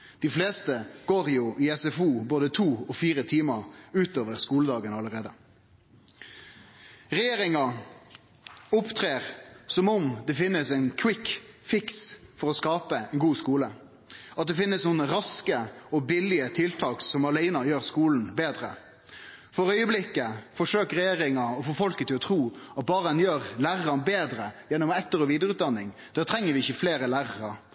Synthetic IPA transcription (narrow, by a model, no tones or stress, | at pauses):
d̪̥ɪfleːst̪əɡoːʁjuːʔɪɛsɛfuːboːd̪ət̪ʰuːɔfiːʁət̪ʰiːmɑʉːt̪oːʋəʁskuːləd̪ɑːɡənɑləʁeːd̪ə | ʁɛjeːʁɪŋɑ | ʊpt̪ʰʁeːʁsɔmɔmd̪ɛfɪnːəsɛɪnkʰwɪk | fɪksfɔʁɔskɑːpəɛɪnɡuːskuːlə | ɑt̪̚d̪ɛfɪnːəsnuːnəɾɑskəɔbɪlɪət̪ʰɪlt̪ʰɑːksɔmɑlæɪnɑjøːɾskuːln̩beːd̪ɾə̰ | fɔɾœʏəblɪkːəfɔʂøːkɾɛjeːɾɪŋɑɔfoːfɔlkət̪ɪlɔt̪ʰɾuːɑt̪̚bɑːɾəd̪ɛnjøːɾlæːʁɑnbeːd̪ɾəjɛnːʊmɛt̪ːəɾɔʋiːd̪əɾʉːt̪̚d̪ɑnːɪŋd̪̥æːt̪ʰɾɛŋːəɾʋɪɪçːəfleːɾəlæːɾɑɾɑ